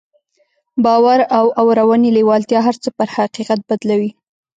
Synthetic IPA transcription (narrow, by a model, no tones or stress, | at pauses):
bɑwaɾawawɾawanelewɑlt̪jɑɦaɾt͡səpəɾhaqiqat̪̚bad̪lawi